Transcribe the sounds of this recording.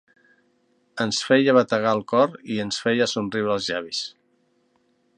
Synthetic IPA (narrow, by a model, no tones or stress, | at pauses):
ənsfɛjəβət̪əɣaəlˠkɔɾiənsfɛjəsunrriwɾəlˠzʎaβ̞is